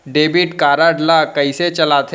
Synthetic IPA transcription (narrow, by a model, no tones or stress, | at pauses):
ɖeːbɪʈkaːɾaɖlakɐiset͡ʃɐlaːt̪ʰ